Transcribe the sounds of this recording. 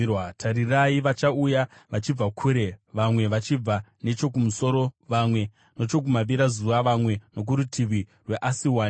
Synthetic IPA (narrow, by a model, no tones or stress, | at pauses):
watʰaɾiraiʋat͡ʃaujaʋat͡ʃib͡vakʰuɾe̞ʋamwe̞ʋat͡ʃib͡vane̞t͡ʃo̞k̬umuso̞ɾo̞ʋamwe̞ | no̞t͡ʃo̞k̬umaʋiɾazuʋaʋamwe̞no̞k̬uɾutʰiʋirwe̞ʔasiwaːn